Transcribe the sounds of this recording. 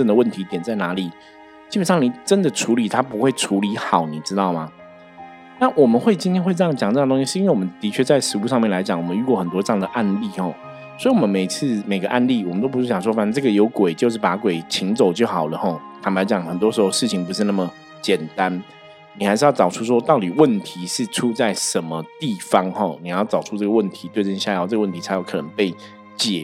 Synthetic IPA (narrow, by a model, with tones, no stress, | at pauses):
ʈ͡ʂə˥˩ŋd̪ə˩wə˥˩nt̪ʰi˧˥t̪jɛ˨˩nt͡sa˥˩ɪna˧˥li˨˩˦ | t͡ɕi˥bə˨˩nʂɑ˥˩ŋni˨˩ʈ͡ʂə˦nd̪ə˨ʈ͡ʂʰu˧˥li˨˩˦t̪ʰa˥pu˧˥xwe˥˩ɪʈ͡ʂʰu˧˥li˧˥xɑ˨˩˦ʊni˨˩ʈ͡ʂɻ̩˥t̪ɑ˥˩ʊma˩ | na˥˨wɔ˨˩mə˨nxwe˥˩ɪt͡ɕi˥nt̪ʰjɛ˥nxwe˥˧ɤ˥˧jŋt͡ɕjɑ˨˩ŋt͡sɤ˥˧˨t̪o˥ŋ˥ɕi˥ɻ̩˥˧i˥nwe˥˩˨wɔ˨˩ə˦nt̪i˧˥t͡ɕʰɥɛ˥˧t͡sa˥˩ɪʂɻ̩˧˥u˥˧ʂɑ˥˧ŋmjɛ˥˩nla˧˥ɪt͡ɕjɑ˨˩˦ŋwɔ˨˩mə˦y˥˧kwɔ˥˩xə˨˩nt̪wɔ˥ʈ͡ʂɤ˥jɑ˥˩ŋd̪ə˩ʔa˥˧nli˥˨xɔ˥˩ | swɔ˧˥i˨wɔ˨˩mə˦nme˨˩ɪt͡s̩ʰ˥˩me˨˩ɪɡə˦ʔa˥˧nli˥˩wmənt̪o˥ʊpu˧˥ʂɻ̩˥˩jɑ˨˩ŋʂ̬wɔ˥fa˨˥n˥˧˥ʈ͡ʂɤ˥˩ɡə˩jo˧˥ʊkwe˨˩ɪt͡ɕjo˥˧ʊʂ̬̩˥˩pa˧˥kwe˨˩ɪt͡ɕʰi˧˥ŋt͡so˨˩ʊt͡ɕjo˥˩ʊxɑ˨˩ʊlə˦xɔ˥˩t̪ʰa˨˩pa˧˥ɪt͡ɕjɑ˨˩˦ŋxə˨˩nt̪wɔ˥ʂɻ̩˧˥xo˥˧ʊʂɻ̩˥˩t͡ɕʰi˧˥ŋp̬u˧˥ʂɻ̩˥˧na˥˩mə˨˩ | t͡ɕjɛ˨˩nt̪a˦n | ni˨˩xa˧˥ɪʂɻ̩˥˧jɑ˥˩ʊʈ͡ʂt͡sɑ˨˩ʊʈ͡ʂʰu˥ʂ̬wɔ˥t̪ɑ˥˩ʊt̪i˨˩wə˥˩nt̪ʰi˧˦ʂɻ̩˥˩ʈ͡ʂʰu˥t͡sa˥˩ɪʂə˧˦nmə˦t̪i˥˨˩fɑ˥ŋhɔ˥˩ni˨˩˨jt͡sɑ˨˩ʊʈ͡ʂʰu˥t͡sɤ˥˩ɡə˩wə˥˩nt̪ʰi˧˥t̪we˥˧ɪʈ͡ʂə˥˧nɕja˥˧˥xo˥˧˩ʈ͡ʂɤ˥˩ə˧wə˥˩nt̪ʰi˧˥t͡sʰjo˥˩kʰɤ˨˩nə˧˦ŋpe˥˩ɪ | t͡ɕjɛ˨˩